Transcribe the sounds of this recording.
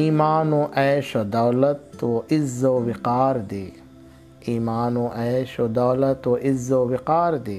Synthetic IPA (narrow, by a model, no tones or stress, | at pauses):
iːmaːnõʔɛːʃod̪ɐwlɐt̪woʔɪzːowɪqaːɾd̪eː | iːmaːnõʔɛːʃod̪ɐːlɐt̪oʔɪzːoʋɪqaːɾd̪eː